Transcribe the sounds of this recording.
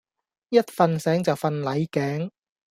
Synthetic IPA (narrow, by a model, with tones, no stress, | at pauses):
jɐ˥t̚fɐ˧nsɛː˨˥ŋt͡sɐ˨wfɐ˧nlɐ˨˥jkɛː˨˥ŋ